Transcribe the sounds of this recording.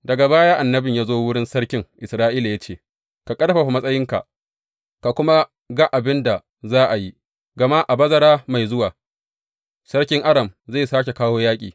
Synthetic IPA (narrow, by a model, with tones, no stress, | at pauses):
dɐ˨ɡa˨baː˦jaː˦ʔa˨nːɐ˦bɪ˨ɲjaː˦zoː˦wʊ˦ɽɪ˦nsɐ˦ɽkʲɪ˦ŋʔɪ˨sɾaː˦ʔiː˦la˨ja˦t͡ʃeː˦˨ | ka˨kʼɐ˦dɐ˦ɸa˨ɸa˨mɐ˦sʼɐ˦jɪ˦ŋka̰˨ʔ | ka˨kʷʊ˦ma˦ | ɡɐ˦ʔa˨bɪ˦nda˨ | zaː˦ʔa˨ji˦ | ɡɐ˨ma˦ʔa˨bɐ˦zɐ˦ɽaː˦ma˨jzʊ˦waː˨ | sɐ˦ɾkʲɪ˦ŋʔa˦dɐ˨mza˦˨saː˦kʲe˨kaː˦woː˦jaː˦kʲʼiː˨